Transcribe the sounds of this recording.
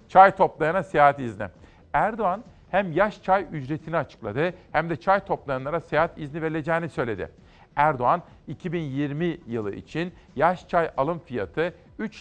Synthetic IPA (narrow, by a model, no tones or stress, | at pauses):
t͡ʃʰajt̪ʰo̞plˠajanasejaːɦat̪iznɪ̰ | æɾd̪oan | hæmjaʃt͡ʃʰajyd͡ʒɾe̞t̪ʰiniat͡ʃʰɯ̥klˠa̰d̪ɯhæmd̪ɛt͡ʃʰajt̪ʰo̞plˠajanˠaɾasejaːɦat̪izniveɾilʲed͡ʒɛːnisø̞jlʲe̞d̪ɪ̰ | æɾd̪oan | icʰibinjiɾmijɯlˠɯ̰ḭt͡ʃʰin | jaʃt͡ʃʰajalˠɯmfijat̪ʰɯ | yt͡ʃ